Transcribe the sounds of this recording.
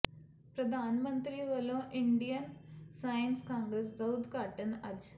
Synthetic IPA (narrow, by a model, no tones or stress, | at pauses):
pɾɐd̪ʱaːnɐmɐnt̪ɾiʋɐloːʔiɳɖijɐnsɐjɐnskaːŋɡɾes̬d̪ɐwd̪kaːʈːɐnɐd͡ʒ